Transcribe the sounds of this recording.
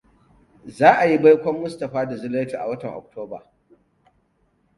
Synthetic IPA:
zaː˦ʔa˨ji˦ba˦jkʷɔ˦mːʊ˦stɐ˨ɸaː˦da˨zʊ˦le˦tu˨ʔa̰˨wɐ˦tɐ˨ŋʔɔ̰˨k̚toː˦ba̰ː˨

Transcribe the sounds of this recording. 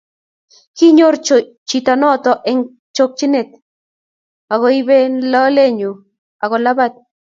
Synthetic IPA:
ki˦ɲo˦ɾ | t͡ʃit̪anɔ˦t̪o˨ʔe˦ŋ | t͡ʃok̚t͡ʃi˦ne˨t̪̚ | a˨ɣo˧jβe˦nla˦le˦ɲu˨ | a˨ɣo˨la˦βat̪̚

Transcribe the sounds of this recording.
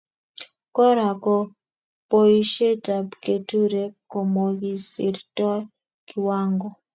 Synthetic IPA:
kɔ˦ɾa˨kɔ˦ | po˦i˦ʃe˦ta˨bke˨tu˦ɾe˨ko˨mo˨ɡi˨si˨ɾtɔ˦ | ki˨wa˦ŋɡɔ˨

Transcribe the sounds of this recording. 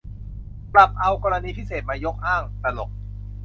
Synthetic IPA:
pla˨˩p̚ʔa˧wkɔː˧ɾa˧niː˧pʰi˦˥˩seː˨˩t̪̚maː˧jo˦˥k̚haː˥˩ŋt̪a˧lo̰˨˩k̚

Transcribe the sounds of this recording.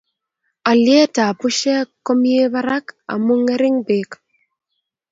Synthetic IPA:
a˨ljɛ˦ta˨pʊ˦ʃɛ˦kːo˦mje˦ba˦ɾa˦ka̰˨mu˦ŋe˦ɾɪ˦ŋbe˨k

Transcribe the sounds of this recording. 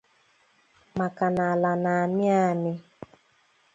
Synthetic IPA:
ma˨ka˨na˨la˨na˨mɪ˦a˦˨nɪ˦

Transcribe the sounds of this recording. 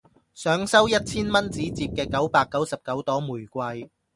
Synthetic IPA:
sœː˨˥ŋsɐ˥wjɐ˥t̚t͡sʰiː˥nmɐ˥nt͡siː˨˥t͡siː˧p̚kɛː˧kɐ˨˥wpaː˧kːɐ˨˥wsɐ˨p̚kɐ˨˥wt̪ɔː˨˥ŋmuː˨˩jkʷɐ˧j

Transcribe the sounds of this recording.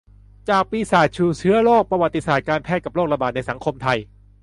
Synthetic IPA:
t͡ɕaː˨˩k̚piː˧saː˨˩t̪̚t͡ɕʰuː˧˩t͡ɕʰɯ˦˥ɐloː˥˩k̚pɾa˧wa˨˩t̪ːi˧saː˨˩t̪̚kaː˧npʰɛː˥˩t̪̚ka˨˩p̚loː˥˩k̚ɾa˧baː˨˩t̪̚na˧jsa˩˦ŋkʰo˧mt̪ʰa˧j

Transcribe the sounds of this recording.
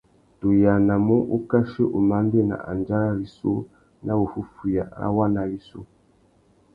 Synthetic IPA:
to˨ja˨na˨mu˦ʔu˦ka˦ʃi˦ʔu˨ma˦n˦de˦na̰˨ʔa̰˨nd͡ʒa˦ɾa˦li˨so̰˦ | na˦u˨hu˦fu˨ja̰˨a̰˦wa˦na˨li˦so̰˦

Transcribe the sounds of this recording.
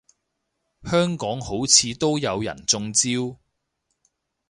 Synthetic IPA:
hœː˥ŋkɔː˨˥ŋho˨˥wt͡sʰiː˨˧t̪o˥wjɐ˨˧wjɐ̰˨˩nt͡sʊ˧ŋt͡siː˥w

